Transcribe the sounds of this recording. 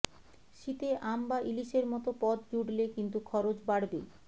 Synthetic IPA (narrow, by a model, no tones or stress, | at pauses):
ʃit̪eʔambaʔiliʃeɾmɔt̪opɔt̪d͡ʑuɽlekint̪ukʰɔɾot͡ɕbaɽbe